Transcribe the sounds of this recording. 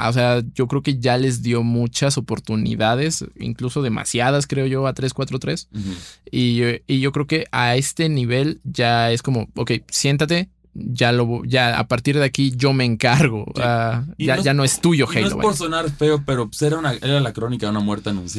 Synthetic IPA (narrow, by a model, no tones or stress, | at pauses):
a̰s̬e̞aɟ͡ʝo̞kɾeoke̞ʝale̞zðjo̞mut͡ʃaso̞po̞ɾt̪unḭðaðe̞sḭŋkluso̞ðe̞mʔa̰sjað̞askɾe̞o̞ʝo̞at̪ɾe̞skwat̪ɾot̪ɾe̞s | iiʝo̞kɾe̞oke̞ʔae̞st̪e̞niβ̞e̞lɟ͡ʝae̞sko̞mo̞oke̞jsje̞nt̪at̪̬e̞ | ʝaloβoʝaa̰paɾt̪iɾðe̞akiʝo̞me̞ːŋkaɾɣo̞saaʝanoest̪uʝo̞xejloβaoɾsonaɾfe̞opeɾopseɾaunaʔeɾalakɾonikaðunamweɾt̪eanũns